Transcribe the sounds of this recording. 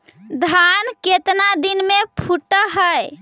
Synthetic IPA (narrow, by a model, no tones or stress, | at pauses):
d̪ʱanket̪nad̪inmepʰuʈəɦəj